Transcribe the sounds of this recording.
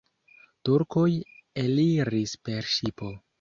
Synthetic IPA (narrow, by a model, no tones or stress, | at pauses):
tuɾko̞jeliɾispe̞ɾʃipo̞